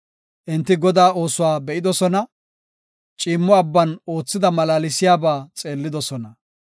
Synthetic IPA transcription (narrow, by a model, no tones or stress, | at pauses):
ʔɪnt̪ːɪɡɔd̪aːʔo̞ːsʊwaːbɛʔɪd̪ɔsɔnɐ | t͡ʃʼiːmːɔɐbːɐno̞ːt͡sːɪd̪ɐmɐlaːlɪsɪjaːbaːt͡sʼe̞ːlːɪd̪ɔsɔnɐ